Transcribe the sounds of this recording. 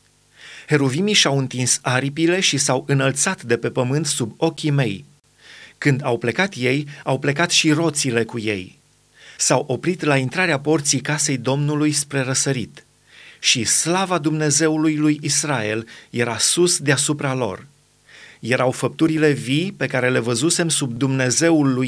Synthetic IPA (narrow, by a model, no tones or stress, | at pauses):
he̞ɾovimiʃawɨnt̪insaɾipile̞ʃisawɨnəlt̪sat̪d̪e̞pe̞pəmɨnt̪subo̞kʲime̞j | kɨnd̪awple̞kat̪je̞jawple̞kat̪ʃiɾo̞t̪sile̞kuje̞̰j | sawʔo̞pɾit̪laint̪ɾaɾeapo̞rt̪sijkase̞jd̪o̞mnulujspɾe̞ɾəsəɾit̪ | ʃislavad̪umne̞ze̞ulujlujisrae̞lje̞ɾasusd̪easupɾalo̞̰r | je̞ɾʔawfəp̚t̪uɾile̞vijpe̞kaɾe̞le̞vəzuse̞msub̚d̪umne̞ze̞ulːuj